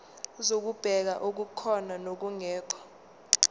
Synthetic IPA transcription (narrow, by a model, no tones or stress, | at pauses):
zok̬ub̥ʱɛk̬aʔok̬ukʰɔnanok̬uŋɛːkʰɔ̥